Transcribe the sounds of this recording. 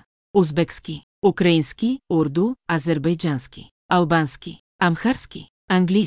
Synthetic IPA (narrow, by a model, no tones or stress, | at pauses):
uzbɛkski | ukɾainskiuɾd̪uazɛɾbajd͡ʒanskḭ | albanski | amxaɾskḭ | aŋɡlʲi